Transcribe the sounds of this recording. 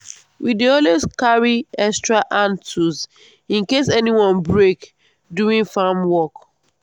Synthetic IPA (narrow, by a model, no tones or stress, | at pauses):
wideɔlweskaɹiɛstɹaʔãntuz | ĩnkesɛniwɔ̃nbɹek | duĩŋfamwɔk